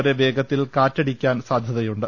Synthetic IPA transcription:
ɾeʋe̞ːɡʱɐt̪ːilkaːtːɐɽikʲːaːnsaːd̪ʱjɐðɐjuɳɖɨ

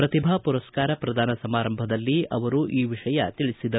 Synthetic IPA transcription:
pɾɐt̪ibʱɐpuɾɐskaːɾɐpɾɐd̪ʱaːnɐsɐmaːɾɐmbʱɐd̪ɐlːiɐ̰ʋɐɾuʔiːʋiʂɐjɐt̪iɭisid̪ɐ

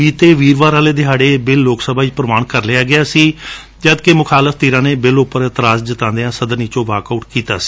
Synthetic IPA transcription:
iːt̪eːʋiːɾʋaːɾaːleːd̪ɪɦaːɖeːbɪlːoːksəbaːipɾəmaːɳkəɾlɪaːɡɪjaːsiː | d͡ʒaːd̪kemʊkʰaːləfʰt̪iːɾãːneːbɪlʊpːəɾɪt̪ɾaːzd͡ʒɪt̪ãːnd̪eãːsəd̪əniːt͡ʃõːʋaːkaːʈkiːt̪a̰ːsi̥ː

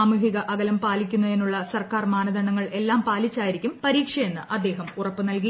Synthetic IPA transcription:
aːmuɦiɣɐʔɐɣɐlɐmpaːlikʲːunːue̞nːuɭːɐsɐrkaːrmaːnɐðɐɳɐŋːɐɭe̞lːaːmpaːlit͡ɕːaːjiɾikʲːumpɐɾiːkʂɐje̞nːɨʔɐd̪ːe̞ːɦɐmurɐpːɨnɐlki

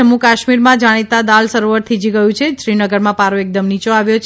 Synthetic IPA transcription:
əmukaʃmiɾmãd͡ʒaɽ̃it̪ad̪alsəɾoʋəɾt̪ʰid͡ʒiɡəjũt͡ʃʰeʃɾinəɡəɾmãpaɾoek̚d̪əmnit͡ʃoaʋjot͡ʃʰ

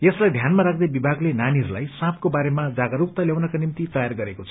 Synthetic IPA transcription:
jeslajd̪ʱjanmaɾakʰd̪ebibʱaɡlenaniɦʌɾulajsãp̚ʰkobaɾemad͡zaɡʌɾuk̚t̪aljawnʌkanimt̪it̪ʌjarɡʌɾekot͡sʰʌ

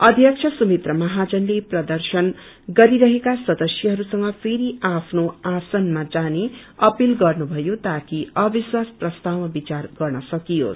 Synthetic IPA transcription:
ʌd̪ʱjʌkt͡ʃʰʌsumit̪rʌmʌɦad͡zʌnleprʌd̪ʌrsʌn | ɡʌɾiɾʌɦekasʌd̪ʌsjʌɦʌɾusʌŋɡʌpʰeɾiapʰnoasʌnmad͡zaneʌpilɡʌrnubʱʌjot̪akiʌbiswasprʌst̪awmabit͡sarɡʌrnʌsʌkijo̰

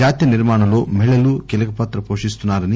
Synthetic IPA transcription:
aːt̪jɐniɾmaːɳɐlo̞ːmɛɭːɐlukelɐkɐpaːt̪ɾɐpoːʂist̪unːaːɾɐni

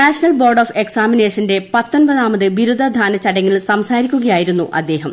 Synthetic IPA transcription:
naːʂɐnɐlbo̞ːrɖoːfe̞ksaːmine̞ːʂɐnde̞pɐt̪ːo̞nbɐðaːmɐðɨʋiɾud̪ʱːɐd̪ʱaːnɐt͡ɕːɐɽɐŋːɐɭsɐmsaːɾikʲːuɣɐjaːjiɾunːuʔɐ̰d̪ːe̞ːɦɐm

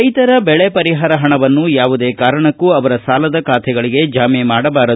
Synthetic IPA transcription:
ɐjt̪ɐɾɐbɛɭepɐɾiɦaːɾɐɦɐɳɐʋɐnːujaːʋud̪e̞ːkaːɾɐɳɐkːuɐʋɐɾɐsaːlɐd̪ɐkaːt̪ʰɛɡɐɭiɡe̞d͡ʒaːmemaːɽɐbaːɾɐ

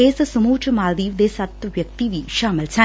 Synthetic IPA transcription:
eːsɐsumuːt͡ʃʰɐmaːld̪iːʋd̪eːsɐt̪ːɐʋjɐk̚t̪iʋiʃaːmɐlt͡ɕʰaː

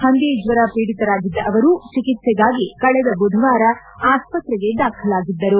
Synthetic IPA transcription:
hɐnd̪eːd͡ʒʋɐɾapiːɽit̪ɐɾaːɡid̪ːɐʔɐʋɐɾut͡ʃikit̪sɛɡaːɡikɐɭɛd̪ɐbud̪ʱɐʋaːɾɐ | aːspɐt̪ɾɛɡe̞d̪aːkʰɐlaːɡid̪ːɐɾu

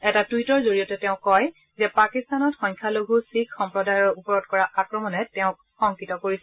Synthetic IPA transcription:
ɛtatuwitɔɹzoɹijɔtɛtɛʊ̃kɔj | zɛpakistanɔtxɔ̃ɲkʰjaloɡʱusikxɔmpɹɔdajɔupɔɹɔdkɔɹaʔakɹɔmɔnɛtɛʊ̃k | xɔŋkitɔkoɹisɛ

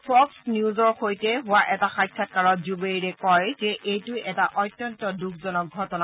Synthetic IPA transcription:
pʰɔksniuzɔɹxojtɛɦʊwaʔɛtaxajkʰːat̚kaɹɔtzubejɹɛkɔjzɛʔejtʊjʔɛtaʔɔjtːjɔntɔdukʰzɔnɔk̚ɡʱɔtɔna

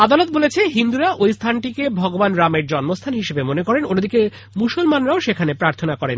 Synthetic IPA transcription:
ad̪alot̪̚bolet͡ɕʰeɦind̪uɾaʔojst̪ʰanʈikebʱɔɡobanɾameɾd͡ʑɔnmost̪ʰanɦiʃebemonekɔɾenonːod̪ʱike | musolmanɾaoʃekʰanepɾaɾt̪ʰonakɔɾen

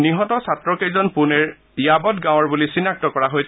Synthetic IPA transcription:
niɦɔtɔsatɹɔkejzɔnpunɛɹ | ijabɔtɡãw̃ɔɹbulisinːak̚tɔkɔɹaɦoj

